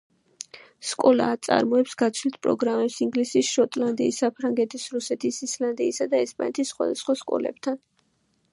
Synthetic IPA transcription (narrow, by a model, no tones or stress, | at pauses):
skʼɔla̰ːt̪sʼa̰ɾmɔɛpsɡ̥at̪sʰlit̪ʰpʼɾɔ̰ɡɾamɛpsiŋɡlisisʃɔt̪ʼland̪iːsapʰɾaŋɡɛt̪ʰisɾusɛt̪ʰisisland̪iːsad̪aɛspʼa̰nɛt̪ʰisːχwa̰d̪asχwaskʼɔ̰lɛ̰b̚t̪ʰan